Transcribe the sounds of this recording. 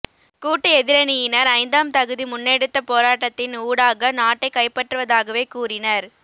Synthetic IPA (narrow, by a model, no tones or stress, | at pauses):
kuːʈːɐɛðɪɾɐnɪjɪnɐɾɐɪnd̪aːmt̪ɐɣɯðimʊnːeɽɯt̪ːɐpoːɾaːʈːɐt̪ːɪnuːɽaːɣɐnaːʈːɐɪkːɐɪpːɐʈrɯʋɐðaːɣɐʋeːkuːrɪnɐɾ